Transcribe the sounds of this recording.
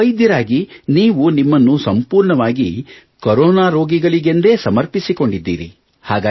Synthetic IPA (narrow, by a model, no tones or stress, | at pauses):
ɐjd̪jɐɾaːɡiniːʋunimːɐnːusɐmpuːɾɳɐʋaːɡi | koɾoːnaːɾo̞ːɡiɡɐɭiɡe̞nd̪e̞ːsɐmɐɾpisiko̞ɳɖid̪ːḭːɾḭ | haːɡaː